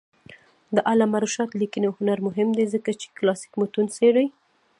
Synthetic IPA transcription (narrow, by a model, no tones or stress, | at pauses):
d̪əʔalamaɾuʃɑt̪likinohʊnaɾmʊɦɪmd̪ezəkat͡ʃe̥klɑsi̥kmʊt̪unseɽaj